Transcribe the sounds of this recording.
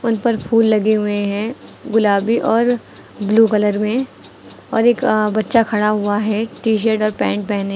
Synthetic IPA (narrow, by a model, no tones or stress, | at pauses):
ʊnpɐɾpʰuːlːɐɡeɦʊeɦɛ̃ɡʊlaːbiʔɔːɾ | bluːkɐləɾmẽ | ɔːɾeːkbɐtːʃakʰɐɽaɦʊaɦɛʈiːʃ̬əɾʈɔːɾpɛ̃ːɳʈ̚pɛːne